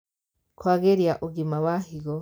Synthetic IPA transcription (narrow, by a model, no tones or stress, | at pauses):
kwaɡeɾijaʔuɡimawahiɡo